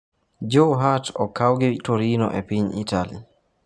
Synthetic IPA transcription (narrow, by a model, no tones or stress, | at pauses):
d͡ʒoɦatɔkawɡitoɾinɔ̰ʔɛpiɲḭtalḭ